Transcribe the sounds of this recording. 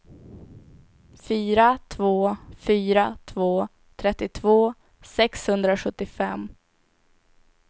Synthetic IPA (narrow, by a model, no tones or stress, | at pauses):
fyːɾat̪ʰvoːfyːɾat̪ʰvoː | t̪ʰɾɛt̪ːɪt̪ʰvoː | sɛkshɵnd̪ɾaɧɵt̪ːɪfɛm